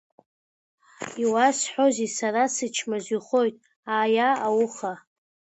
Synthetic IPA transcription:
iwasħʷᶣo̞zisaɾasɨt͡ʃʰmazʷiχo̞jtʼ | aːjaːwuχa

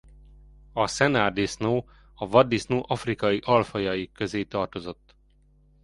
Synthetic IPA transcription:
ɒsɛnard̪isnoː | ɒvɒd̪ːisnoːʔɒfrikɒjiʔɒlfɒjɒjikø̞zeːt̪ɒrt̪o̞zo̞t̪ː

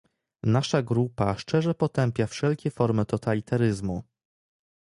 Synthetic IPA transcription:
naʂaɡɾupaʂt͡ʂɛʐɛpɔt̪ɛmpʲjafʂɛlkʲɛfɔɾmɘt̪ɔt̪alʲit̪aɾɘzmu

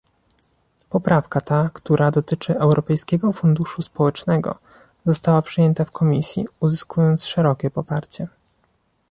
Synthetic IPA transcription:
pɔpɾafkat̪akt̪uɾʔad̪ɔt̪ɘt͡ʂɘɛwɾʔɔpɛjskʲɛɡɔfund̪uʂuspɔwɛt͡ʂnɛɡɔ̰ | zɔst̪awapʂɘjɛnt̪afkʰɔmʲisʲjḭuzɘskujɔnt̪sʂɛɾɔkʲɛpɔpaɾt͡ɕɛ

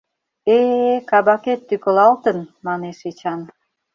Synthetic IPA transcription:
ekɑβɑket̪ːykə̆lɑlt̪ənmɑneʃet͡ɕɑn

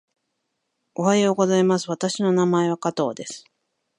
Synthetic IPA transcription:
o̞ɦaeoɡo̞zaimasɨβat̪aɕino̞namae̞βakat̪o̞̰ːd̪e̞sɨ̥

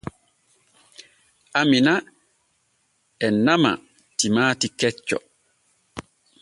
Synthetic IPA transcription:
ʔamina | ɛnama̰ | timaːtikɛt͡ʃːɔ̰

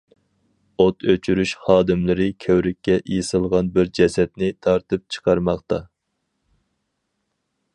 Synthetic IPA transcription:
ot̪ʰøt͡ʃʰyɾyʃχɑːd̪ɨmlɪɾɪkʲʰøwɾɪkʲːɛʔjesɨlˠʁɑnbɪɾd͡ʒɛsɛt̪̚nɪt̪ʰɑɾt̪ɨp̚t͡ʃʰə̥qʰɑɾmɑχt̪ɑ

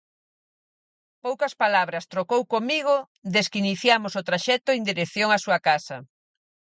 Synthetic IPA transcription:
powkɐspalaβɾɐst̪ɾokowkomiɣo | ðeskiniθjamosot̪ɾaʃɛt̪ʊend̪iɾeθjoŋasuɐkasɐ̰

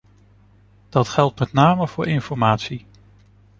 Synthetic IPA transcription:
d̥ɑtχɛlˠtmɛtnaːməv̥ʊːɹɪnfɔɹmaːtsi

